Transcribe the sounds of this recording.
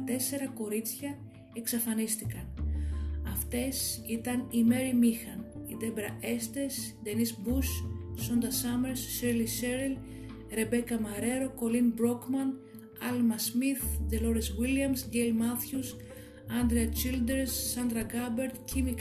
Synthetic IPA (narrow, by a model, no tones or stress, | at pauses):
t̪e̞se̞ɾɐko̞ɾit͡sçɐ | eksɐfɐnist̪ikɐn | ɐft̪e̞sit̪ɐnime̞ɾimixɐnid̪e̞bɾɐe̞st̪es | d̪e̞nisbusːond̪ɐsɐme̞ɾsːeɾliseɾil | ɾe̞be̞kɐmɐɾe̞ɾo̞ko̞linbɾo̞kmɐn | ɐlmɐsmiθd̪elo̞ɾiswiliɐmsɟelmɐθçus | ɐnd̪ɾeɐt͡ʃild̪eɾsːɐnd̪ɾɐɡɐbe̞ɾt̪cimik